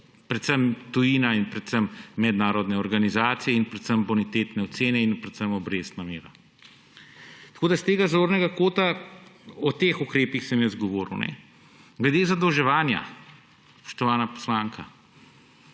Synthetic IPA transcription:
pɾɛt̪səmt̪ujiːnainpɾɛt̪səmːɛd̪naːɾɔd̪nɛɔɾɡanizaːt̪sijɛinpɾɛt̪səmbɔnit̪et̪nɛɔt̪seːnɛinpɾɛt̪səmɔbɾeːst̪nameːɾa | t̪ḁkoːd̪ast̪eːɡazoːɾnɛɡakoːt̪a | ɔt̪eːxukɾeːpixsəmjəzɡɔʋoːɾṵnɛ̰ | ɡlɛd̪eːzad̪ɔwʒɛʋaːnja̰ | spɔ̥ʃt̪ɔʋaːnapɔ̥slaːŋkʰa

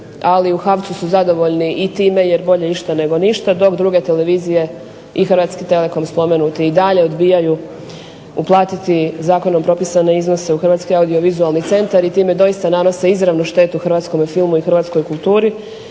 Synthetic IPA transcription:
aliuxaʋt̪susuzad̪o̞ʋo̞ʎniʔit̪iːme̞je̞ɾbo̞ʎeiʃt̪ane̞ɡo̞niʃt̪ad̪o̞kd̪ɾuːɡe̞t̪ele̞ʋiːzije̞ | ixrʋaːt̪skit̪e̞le̞ko̞mspo̞me̞nut̪iid̪aʎe̞o̞d̪biːjaju | uplˠaːt̪it̪izaːko̞nompɾo̞pisane̞izno̞se̞uxrɾʋaːt̪skiaud̪io̞ʋizualˠnit̪se̞nt̪aɾit̪iːme̞d̪o̞ist̪anano̞se̞izɾaʋnuʃt̪e̞t̪uxrʋat̪sko̞mefilmuixɾʋaːt̪sko̞jkulˠt̪uːɾi

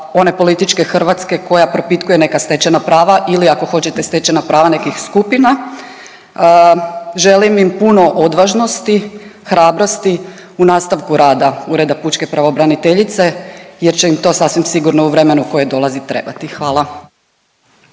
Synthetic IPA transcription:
o̞ne̞po̞lit̪it͡ʃke̞xr̩ʋat̪ske̞ko̞japɾo̞pit̪kuje̞ne̞kast̪e̞t͡ɕenapɾaːʋaʔiliako̞xo̞t͡ɕe̞t̪est̪e̞t͡ɕenapɾaːʋane̞kixskupina | ʒe̞limimpuno̞ʔod̪ʋaʒno̞st̪ixɾaːbɾo̞st̪i | unaːst̪aʋkuɾaːd̪auɾe̞d̪aput͡ʃke̞pɾaʋo̞bɾanit̪e̞ʎit̪se̞jeɾt͡ɕeimt̪o̞sasʋimsiɡuɾno̞uʋɾe̞me̞nuko̞jed̪o̞lˠazit̪ɾe̞bat̪ixʋaːlˠa

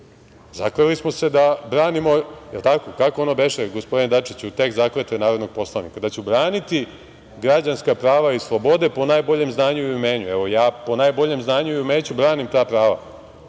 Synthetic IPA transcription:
zakelismo̞se̞d̪abɾaːnimo̞jelˠt̪ako̞kakoonobe̞ʃeɡospo̞d̪ined̪at͡ʃit͡ɕut̪e̞kzakɾet̪enaːɾo̞d̪no̞ɡ̥̚po̞slˠanḭkad̪at͡ɕubɾaːnit̪i | ɡɾad͡ʑanskapɾaːʋaislˠobo̞d̪e̞po̞najbo̞ʎemznaːɲuiumeːɲueʋo̞jaːpo̞najbo̞ʎe̞mznaːɲuiumeːt͡ɕubɾaːnimt̪aːpɾaːʋa̰

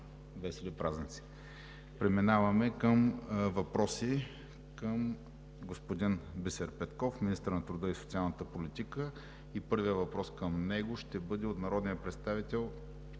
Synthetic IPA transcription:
vɛsɛlipɾaznʲnt̪si̥ | pɾɛminavɐmɛkəmvɐpɾɔsi | kəm | ɡospod̪inbɛsɛɾpɛt̪kɔfmʲinist̪əɾnɐt̪ɾʊd̪əisot̪sialˠnət̪əpolit̪ikə | ipɤɾvijəvɐpɾɔskəmnɛɡoʃt̪ɛbɤd̪ɛot̪nɐɾɔd̪nijəpɾɛt̪st̪avit̪ɛlˠ

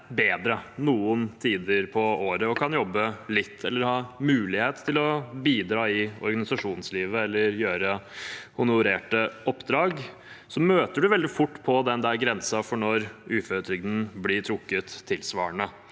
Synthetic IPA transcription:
beːd̪ɾənuːənt̪ʰiːd̪əɾpʰɔoːɾəɔkʰɑnjɔbːəlɪt̪ʰːɛlːəɾhɑːmʉːlɪheːt̪ʰːɪlɔbiːd̪ɾɑːɪɔ̰ɾɡɑnɪsɑʂuːnsliːʋəɛlːəɾjøːɾəhʊnʊɾeːʈəɔpːd̪ɾɑːɡ | sɔmøːt̪əɖʉʋɛld̪ɪfʊʈːpʰɔd̪ɛnd̪æɾɡɾɛnsɑfɔɳɔɾʔʉːføɾət̪ʰɾɪɡd̪ən̩blɪʈʰɾʊkːət̪ʰːɪlsʋɑ̰ːəɳə

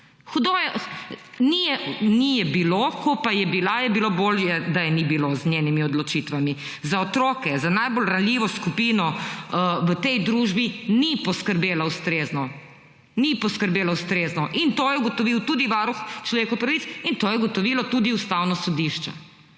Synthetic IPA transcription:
xud̪ojɛ | nijɛnijɛbilokɔpajɛbilajɛbiloboːljɛd̪ajɛnibiloznjenimiɔd̪lɔt͡ʃit̪ʋami | zaɔt̪ɾoːkɛzanajbolɾanlʲiʋɔskupiːnɔ | ʋət̪ɛjd̪ɾuʒbinipɔskəɾbeːlaust̪ɾeːznɔ | nipɔskəɾbeːlawst̪ɾeːznɔʔint̪oːjɛuɡɔt̪ɔʋiwt̪ud̪iʋaːɾuxt͡ʃlɔʋeːkɔpɾɐʋit̪sint̪oːjɛuɡɔt̪ɔʋilɔt̪uːd̪iust̪awnɔsɔd̪iʃt͡ʃɛ̰

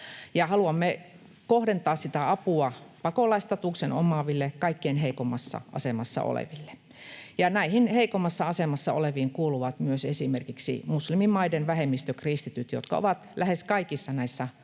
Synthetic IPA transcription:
jɑhɑluɑmːe | kohdent̪ɑːssit̪æɑpuɑpɑkolɑist̪ɑt̪uˑkseno̰mɑʋilːekɑikːeinheikomːˑɑsːɑ̰ʔɑ̰semɑsːɑ̰o̰lḛʋilːe̥ | jɑnæihinheikomːɑsːɑɑsemɑsːɑo̰leʋiːŋkuːluʋɑt̪myøsesimerkiksḭmuslimimmɑidenʋæhemːist̪økrist̪it̪yt̪jo̰t̪kɑ̰o̰ʋɑt̪læheskɑikisːɑnæisːæ

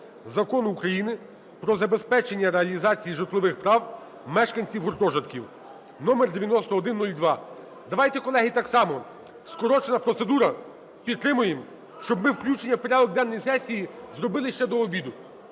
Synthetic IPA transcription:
zɐkɔnukɾɐjinɪ | pɾɔzɐbespɛt͡ʃenʲːɐɾeɐlʲizɑt͡sʲijiʒɐrt̪lˠɔʋɪxpɾɑw | mɛʃkɐnʲt͡sʲiwɦɔrt̪ɔʒɐt̪kʲiw | nɔmerd̪eʋʲjɐnɔst̪ɔɔd̪ɪnːulʲd̪ʋɑ | d̪ɐʋɑjt̪ɛkɔlˠɛɦit̪ɑksɑmɔ | skɔɾɔt͡ʃenɐpɾɔt̪sed̪uɾɐ | pʲid̪̚t̪ːɾɪmʊjem | ʃt͡ʃɔbmɪwklʲut͡ʃenʲːɐwpeɾʲɑd̪ɔk̚d̪ɛnːɔjisɛsʲijizɾɔbɪlˠɪʃt͡ʃɛd̪ɔːbʲid̪ʊ

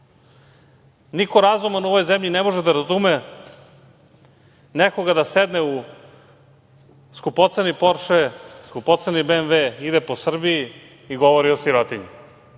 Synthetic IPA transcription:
nikoɾazumanuoʋo̞jzemʎinemoʒed̪aɾazume | neko̞ɡad̪ased̪neu | skupot̪senipoɾʃeskupot̪senibeːnʋeid̪epo̞sr̩bii | iɡo̞ʋoɾiosiɾot̪iɲu

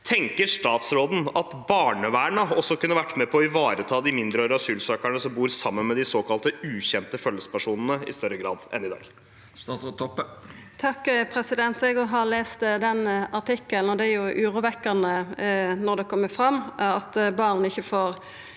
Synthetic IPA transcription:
t̪ʰɛŋkəʂt̪ɑːt̪sɾoːd̪n̩ɑt̪bɑːɳəʋæːɳəɔsːɔkʉnːəʋæʈːmɛpʰɔɪʋɑːɾət̪ʰɑːd̪ɪmɪnd̪ɾəoːɾəɑsyːlsøːkæɳəsɔmbuːɾsɑmːənmɛd̪ɪsoːkʰɑlt̪əʉːçɛnt̪əfœlːəsə̥pʰæʂuːnən̩əɪ̰st̪œɾəɡɾɑ̰ːd̪ʔɛ̰nɪd̪ɑ̰ːɡ̪ | ɔ | t̪ʰɑkːpʰɾɛsɪd̪ɛnt̪ɛɡɔɦɑleːst̪d̪ɛnɑʈ̪ɪkːəln̩ɔd̪ɛæɾjʊʔʉːɾʊːʋɛkːənənɔɾd̪ɛkʰɔmːəfɾɑmːɑt̪bɑːʁnɪçːəfoːɾ

